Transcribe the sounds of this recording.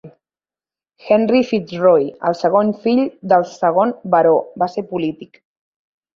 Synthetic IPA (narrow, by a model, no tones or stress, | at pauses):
xɛnrifit̪rojə̰lˠsəɣ̞onfiʎd̪əlˠsəɣ̞onbəɾobaseɾpulit̪ik